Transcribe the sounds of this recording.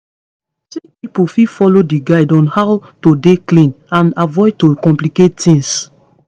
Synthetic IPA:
sipipufifɔlodiɡaɪdɔ̃nhawtodeklĩn | ãnavɔj̚tokɔ̃mpliket̚tĩŋs

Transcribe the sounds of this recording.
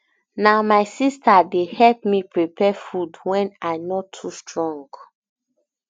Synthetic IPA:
naʊmaɪsistʰadehɛlpmipɹipʰɛfudwɛ̃najnɔtʰːustɹɔ̃ŋɡ

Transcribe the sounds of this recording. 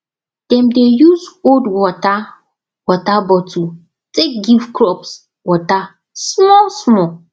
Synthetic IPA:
d̥ɛ̃mdejuzodwɔta | wɔtabɔtʰu | tek̚ɡivkɹɔps | wɔta | smɔlsmɔ

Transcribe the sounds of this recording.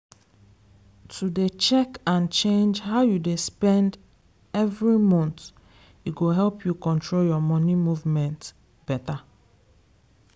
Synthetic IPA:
tʰudet͡ʃɛkãnt͡ʃẽnd͡ʒhaʊjudespɛ̃nd | ɛvɹimɔ̃nt̪ | iɡoɦɛlpjukɔ̃ntɹoljɔmɔnimuvmɛ̃nt | b̥ɛta

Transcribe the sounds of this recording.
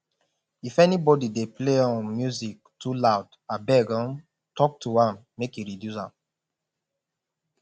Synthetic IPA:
ifɛnibɔdidepleɔ̃nmjuzik̚tʰulaʊd | abɛɡãn | tɔk̚tʰuãmːekiɹidjusã̰m

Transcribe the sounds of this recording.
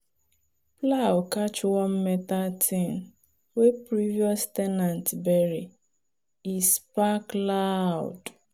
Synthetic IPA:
plawkat͡ʃwɔm̩mɛtatʰin | wepɾiviɔstɛnãntbɛɾi | ispaklaʊ̰d

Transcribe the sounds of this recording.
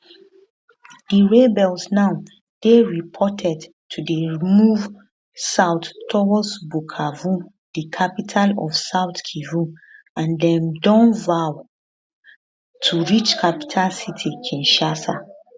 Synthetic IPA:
d̥iɹebɛlsnaʊ | d̥eɹipʰɔtʰɛd | tʰudəɹimuv | saʊtːɔwɔsbukʰavu | d̥ikʰapitʰalɔ̰fsaʊtkʰivu | ãndɛ̃mdɔ̃nvaw | tʰuɹit͡ʃkʰapi̥tʰalsitʰikʰĩnʃasa̰

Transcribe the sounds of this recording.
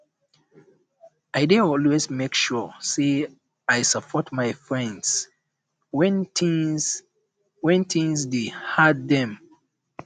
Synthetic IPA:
ajdeɔlwezmekʃɔse | ajsapʰɔtmaɪfɹɛ̃nds | wɛ̃n | wɛ̃ntʰĩŋzdehad̚ðɛ̃m

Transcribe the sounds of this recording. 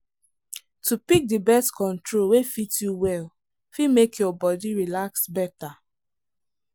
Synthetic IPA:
tupik̚dibɛstkɔ̃ntɹolwefitjuwɛl | fimekʰjɔbɔdiɹilaksbɛta

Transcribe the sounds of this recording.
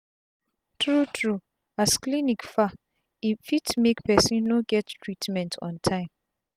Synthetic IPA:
tʰɹutʰɹu | asklinikfa | ifitmekpʰɛsĩnːoɡɛttʰɹitʰmɛ̃ntʰɔ̰̃ntʰãɪ̃m

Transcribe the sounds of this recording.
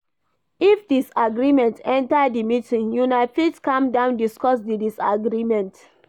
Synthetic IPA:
ifdisaɡɾimɛ̃ntɛ̃ntadimitĩŋjunaɪfitkãmdãʊ̃ndiskɔsdidisa̰ɡɾimɛ̃nt

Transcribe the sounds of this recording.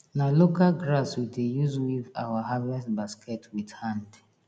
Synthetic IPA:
nalokalɡɾaswidejuzwiva̰waɦavɛstbaskɛtʰwidhãnd

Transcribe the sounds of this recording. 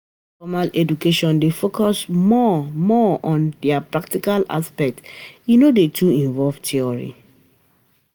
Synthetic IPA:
fɔmalɛdukeʃɔ̃ndefokɔsmɔmɔɔ̃ndɛapɹak̚tikala̰spɛk̚tinodetʰuĩɱvɔlvtʰiɔɹḭ

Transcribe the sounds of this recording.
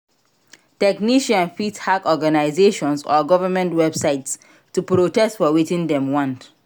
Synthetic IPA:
tɛkniʃãnfithakɔɡanaɪzeʃɔ̃nsɔ̰ɡɔvəmɛ̃ntwɛbsaɪts | tːupɹotɛstfɔwitĩndɛ̃mwɔ̃nt

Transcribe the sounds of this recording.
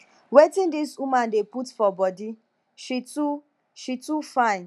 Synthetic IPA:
wetɪ̃ndiswumãndeputfɔbɔdi | ʃitu | ʃitufãɪ̃n

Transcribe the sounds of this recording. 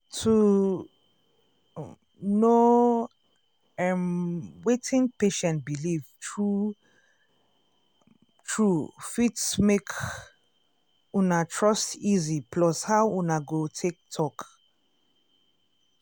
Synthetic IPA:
tʰu | no | ɛmwetʰĩŋpeʃɛ̃ntbiliv̥tʰɹu | tʰɹufitsmek | unatʰɹɔstizipʰlɔshawunaɡotʰek̚tʰɔk

